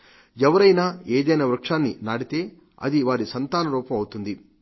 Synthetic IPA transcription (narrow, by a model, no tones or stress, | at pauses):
ɛʋɐɾɐjnaːeːd̪ɐjnɐʋɾɐkʂaːnːinaːɽit̪e̞ː | ɐ̰d̪iʋaːɾisɐnt̪aːnɐɾuːpɐmɐwut̪und̪i